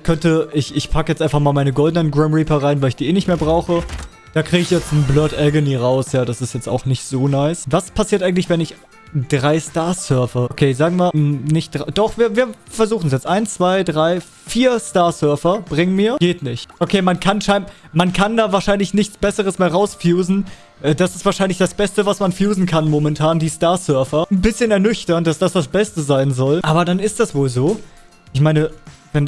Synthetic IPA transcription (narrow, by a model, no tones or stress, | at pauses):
kʰœntəʔɪçɪçpʰakəjɛt͡stʔaɪnfaχmaːlmaɪnəɡɔldənənɡʁɛmʁiːpɐʁaɪnvaɪlɪçd̥iːʔeːnɪçtmeːɐbʁaʊxə | d̥aːkʁ̥iːɡəɪçjɛt͡stn̩blœɐtʔɛlɡəniːʁaʊsjaːdasɪstjɛt͡sta̰ʊxnɪçtz̥oːnaɪsvaspʰasiːɐtʔaɪŋ̩tlɪçv̥ɛnɪç | d̥ʁaɪstaːɐsœɐfɐʔokʰeːzaːɡŋ̩viːɐnɪçtd̥ʁad̥ɔχv̥iːɐviːɐ | fɛɐzuːχn̩sjɛt͡stʔaɪnt͡sv̥aɪdʁaɪ | fiːɐstaːɐsœɐfɐb̥ʁɪŋəmiːɐɡ̥eːtnɪçtʔokʰeːmankʰanʃaɪnmankʰandaːvaːɐʃaɪnlɪçnɪçt͡sb̥ɛsəʁəsmeːɐʁaʊsfjuːzn̩ | ʔɛːd̥asɪstv̥aːɐʃaɪnlɪçd̥asb̥ɛstəvasmanfjuːzn̩kʰanmomɛntʰaːndiːstaɐsœɐfɐnbɪsçənɛɐnʏçtɐnd̥asd̥asd̥asb̥ɛstəzaɪnzɔlʔaːbɐdanɪst̚d̥asv̥oːlzoː | ʔɪçmaɪnəvɛn